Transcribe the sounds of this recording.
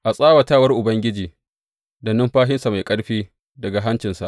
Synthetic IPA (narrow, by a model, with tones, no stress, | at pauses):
ʔa˨sʼaː˦wɐ˨taː˦wɐ˦rʔʊ˨bɐ˦ŋɡʲɪ˦d͡ʒiː˨ | dɐ˨nɪ˦mɸaː˦ɦɪ˦nsa˨ma˨jkʼɐ˦ɽɸiː˦ | dɐ˨ɡa˨ɦa˦nt͡ʃɪ˨nsa̰˨ʔ